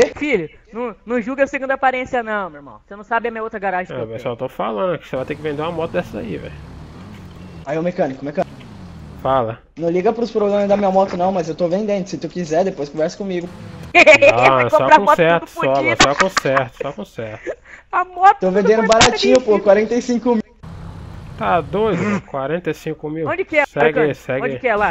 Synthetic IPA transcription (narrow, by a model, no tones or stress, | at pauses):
efilʊnɐ̃w̃nɐ̃w̃ʒuɡɐseɡũd̪ɐapaɾẽsiɐnɐ̃w̃meɾmɐ̰̃w̃senɐ̃w̃sabɪɐmĩɲɐowt̪ɾɐɡaɾaʒẽɛpesswat̪ofalɐ̃nd̪ʊkɪ̥sevajt̪ẽkɪvẽnd̪eũɐmɔt̪ʊd̪ɛsɐza̰ḭvɛ̰j | aiʊmekɐ̃nikʊmekɐ̃nʊ | falɐ | nɐ̃w̃liɡɐpɾʊspɾoɡɾɐ̃mɐzd̪ɐmĩɲɐmɔt̪ʊnɐ̃w̃mɐzewt̪ovẽnd̪ẽnd̪ʊsɪt̪ukizɛɾd̪epojskõvɛɾsɐ̥kõmiɡʊ | sɔɾakõɔsɛɾt̪ʊ̥ɔmɐsɔkõsɛɾt̪ʊ̥sɔkõsɛɾt̪amɔt̪t̪owvẽnd̪ẽndʊʊbaɾat͡ʃĩɲʊpokwaɾẽnt̪ejsĩŋkʊmi | t̪ad̪ojzɪkwaɾẽnt̪ejsĩkʊmiwõd͡ʒɪkɪɛsɛɡsɛɡ̃d͡ʒkɛla